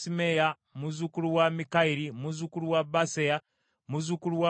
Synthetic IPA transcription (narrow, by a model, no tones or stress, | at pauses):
simeja | muzukuluwamikaiɾimuzukuluwabaseja | muzukuluwa